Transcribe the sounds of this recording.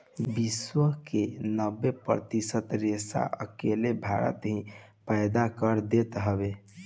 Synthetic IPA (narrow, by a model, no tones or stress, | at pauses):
biswəɦkenəbːepɾə̰t̪isət̪ɾesa̰ʔə̰kelebʱaɾə̰t̪ɦĩ | pəjd̪akəɾd̪et̪ɦəbe